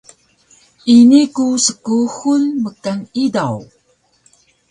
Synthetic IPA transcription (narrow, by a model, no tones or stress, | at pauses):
ʔinikusəkuxunməkaŋidaw